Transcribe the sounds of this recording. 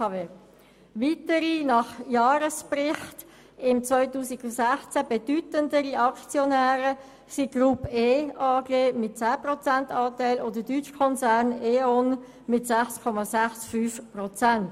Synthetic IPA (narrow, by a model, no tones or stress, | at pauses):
ɑve | ʋitəɾinɑχjɑːɾəsprɪχt | ɪmt͡svœʏtuːsiɡʊsæχt͡sæb̥ɛdytəndəɾiɑkt͡sjɔnæːɾə | siɡ̥rupeːɑːɡeːmɪt̚t͡sæːprɔt͡sæntɑːtɛɪlʔoːdədyt͡ʃkʰɔnsærneːɔn | mɪtsæχskʰɔmɑsæχsfyːfprɔt͡sænt